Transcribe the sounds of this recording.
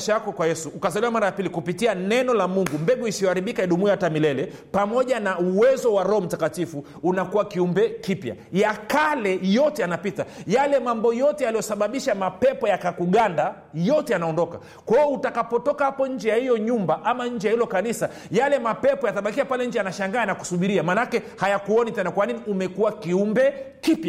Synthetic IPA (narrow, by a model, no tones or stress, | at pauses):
ʃajakɔkwajɛsuʔːkazaliwamaɾajapilikupitianɛnɔlamuŋɡumbɛɡuisiɔhaɾiɓikaɛɗumuaatamilɛlɛ | pamɔʄanauwɛzɔwaɾɔɔm̩takatifuːnakuwakiumbɛkipja̰jakalɛjɔtɛanapitajalɛmambɔjɔtɛjalijɔsaɓaɓiʃamapɛpɔjakakuɠanda | jɔtɛjanaɔndɔka̰ | kwaɔutakapɔtɔkahapɔɲ̩d͡ʒɛjahijɔɲumbaʔamaɲ̩d͡ʒɛjahilɔkanisa | jalɛmapɛpɔjataɓakiapalɛɲ̩d͡ʒɛjanaʃaŋɡaːnaku̥suɓiɾiamaːnakɛhajakuɔnitɛnakwaniniumɛkuwakiumbɛkipja